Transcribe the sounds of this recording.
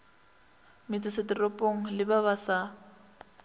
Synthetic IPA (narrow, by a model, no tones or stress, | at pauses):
mɪt͡sʼɪsɪtʼɪropʼoŋ̩lɪbaβasa